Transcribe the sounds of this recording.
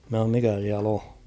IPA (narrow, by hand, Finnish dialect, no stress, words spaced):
mæ h̞ɑom mikæ siæl o